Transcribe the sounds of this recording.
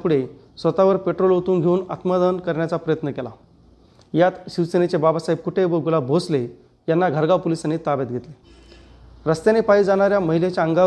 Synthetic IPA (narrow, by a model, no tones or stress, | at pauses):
puɽ̤e | sʋət̪aʋəɾpeʈɾolɦot̪uːnɡʱeuːnat̪mad̪ənkəɾɳjat͡sapɾəjət̪nəkela̰ | jat̪ɕiʋsenet͡ɕebabasaip̚kuʈʰebəɡulabʱosle | janːaɡʱəɾɡapolisanet̪abat̪̚ɡʱet̪le | ɾəst̪janepaɦid͡zaɽ̃aɾjaməɦilet͡ɕjaəŋɡa